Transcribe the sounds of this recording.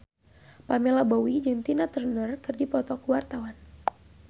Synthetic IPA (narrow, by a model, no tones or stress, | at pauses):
pamɛlabowid͡ʒɨŋt̪inat̪ərnərkɨrdipɔt̪ɔkuwart̪awan